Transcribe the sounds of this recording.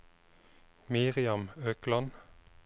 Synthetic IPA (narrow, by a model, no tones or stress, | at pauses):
miːʁɪɑmøːklɑn